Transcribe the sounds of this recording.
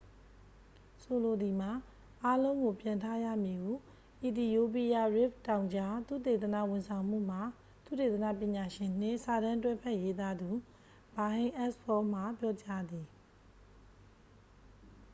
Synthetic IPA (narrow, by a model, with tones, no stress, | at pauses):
so˨lo˨d̪i˨m̥a˨ | ʔa˦lõ˦ʊ̃ŋɡo˨pjã˨ntʰa˦jä̰˦˨mji˨ɡu˦˨ | ʔi˨ti˨jo˦p̬i˦ja˦˨ɹɪ˦˨p̚tã˨ʊ̃ɲd͡ʑa˦t̪ṵ˦˨t̪e˨t̪ə˨nä̰˦˨wʊ̃˨nsʰã˨ʊ̃m̥ṵ˦˨m̥a˨ | t̪ṵ˦˨te˨t̪əna̰˦˨pjɪ̃˨ɲa˨ʃɪ̃˨n̥ɪ̰̃˦˨sa˨ɾã˦twɛ˦pʰɛ˦ʔje˦t̪a˦d̪u˨ | b̥a˨ɦẽ˦ʔɛ˦spɔ˦m̥a˨pjɔ˦t͡ɕa˦d̪i˨